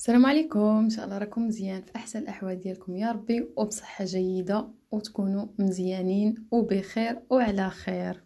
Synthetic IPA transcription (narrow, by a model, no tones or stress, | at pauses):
sælæmʕalikʊmənʃ̬æʔlːɑɾˤɑkʊmːəzjænfiʔaħsænəlʔaħwæld̪jælkʊmjɑɾˤɑbːiwbsˤə̥ħːaʒæjːəd̪a | wt̪kunuməzjæninwbəxiɾwʕlæxiɾ